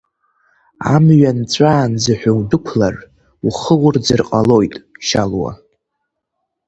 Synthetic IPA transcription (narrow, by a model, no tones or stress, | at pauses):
a̰mɥant͡sʷʼaːnd͡zɨħʷᶣawdɨkʷʰlar | uχəwʊrd͡zɨrqʼalo̞jtʼʃalwa̰